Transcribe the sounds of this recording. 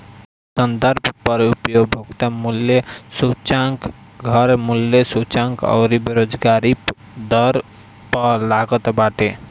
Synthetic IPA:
sənd̪əɾbʰʱpəɾupjoɡbʱoɡt̪amulːjesut͡ʃaŋkɡʱʌɾmuljesut͡ʃãŋkɔ̰ʊɾibeɾod͡ʒɡaɾi | d̪əɾ | pəlaɡət̪baʈe

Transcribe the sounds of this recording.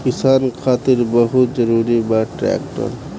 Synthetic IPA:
kɪsaːnkʰaːt̪iɾbəɦut̪d͡ʒəɾuːɾibaʈɾɛ̰k̚ʈə̰l

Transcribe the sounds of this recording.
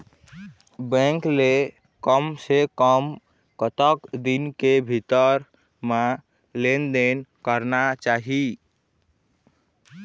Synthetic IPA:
bɛ̃ŋkle | kəmsekəm | kət̪əkd̪inkebʱit̪əɾ | ma | lend̪enkəɾnat͡ʃaɦi

